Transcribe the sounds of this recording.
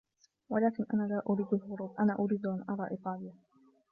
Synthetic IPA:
walaːkɪnʔa̰naːlaːʔʊɾiːd̪alhʊɾuːbʔanaːʔʊɾiːd̪ʔanʔɑɾˤɑːʔɪt̪ˤɑːlɪja

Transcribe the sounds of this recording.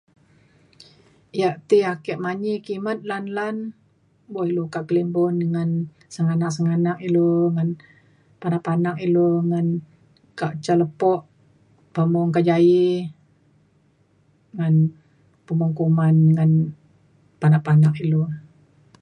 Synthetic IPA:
jaʔt̪iakɛʔmaɲikimat̪̚lanlan | bɔilukaʔkəlimbɔndəŋan | səŋanak̚səŋanak̚iloŋan | panaʔpanak̚iloŋan | kaʔt͡ʃaləpɔʔ | pəmɔŋkaʔd͡ʒai | ŋan | pəmɔŋkumanŋan | panaʔpanak̚ilo

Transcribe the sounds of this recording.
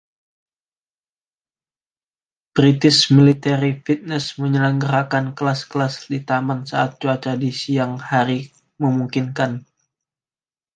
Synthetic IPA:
b̥ɾit̪ɪsmilit̪ɛɾifit̪̚nɛsməɲələŋɡəɾakankəlaskəlasdit̪amansaat̪̚d͡ʒuat͡ʃadisijaŋhaɾi | məmuŋkinkan

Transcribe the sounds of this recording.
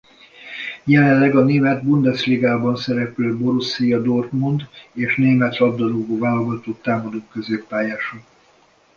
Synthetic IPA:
jɛlɛlːɛɡɒneːmɛd̪bund̪ɛsliːɡaːbɒnsɛɾɛpløːbo̞ɾusijɒd̪orkmund̪eːʃneːmɛt̪rɒb̚d̪ɒɾuɡoːvaːlɒɡɒt̪oːt̪aːmɒd̪okkø̞zeːpːaːjaːʃɒ

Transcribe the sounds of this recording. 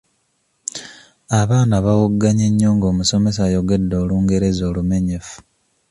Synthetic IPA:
aβaːnaβawuɡːaɲeɲːoːŋɡo̞ːmuso̞me̞s̬aːjo̞ɡe̞dːo̞ːluːŋɡe̞ɾe̞zo̞ːlume̞ɲe̞fu̥

